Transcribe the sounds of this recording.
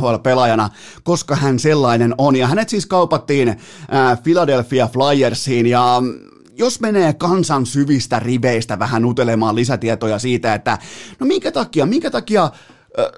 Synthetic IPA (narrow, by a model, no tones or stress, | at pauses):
oɑlpelɑjɑnɑ | koskɑhænselːɑinenonjɑɦænet̪siːskɑupɑt̪ːiːnː | filɑdelfːiɑflɑjersːˑiːnjɑ | josmeneːkɑnsɑnsyʋist̪æriʋeist̪æʋæhænut̪elemɑːlisæt̪iet̪ojɑsiːt̪æet̪ːænomiŋkæt̪ɑkiɑmiŋkæt̪ɑkiɑ